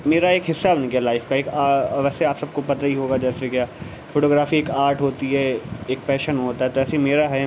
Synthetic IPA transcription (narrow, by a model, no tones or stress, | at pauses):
meːɾaeːkɦɪsːabnikjalaːɪfkaeːkaːʋɛːseaːpsɐb̚kopɐt̪aɦiɦoːɡad͡ʒɛːsekjaː | foːʈoːɡɾaːfieːkaːɾʈɦoːt̪iɦɛeːk̚pɛːʃənɦoːt̪aɦɛt̪oɛːseimeːɾaɦɛ